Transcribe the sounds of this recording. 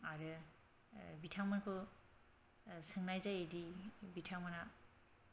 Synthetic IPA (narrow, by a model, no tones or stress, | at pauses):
aɾɯ | bitʰaŋmankʰɯ | sɯŋnajzajedibitʰaŋmana